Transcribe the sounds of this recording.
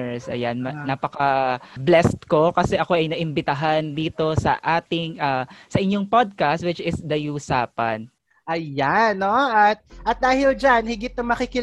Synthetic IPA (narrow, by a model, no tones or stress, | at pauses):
sʔɐ̰janmɐnapɐkɐblɛst̪ko̞kɐsɛʔɐko̞ʔɐjnɐʔɪmbɪt̪ɐɦand̪iːt̪o̞sɐ̰ʔaːt̪ɪŋʔaːsɐʔɪɲjo̞ŋpod̪̚kast̪̚wɪt͡ʃɪsd̪ɐjuːsaːpɐ̰n | ʔɐjanːoʔɐt̪̚ʔɐt̪̚d̪aːhɪld͡ʒanhɪɡɪt̪̚ːɐŋmɐkɪkɪ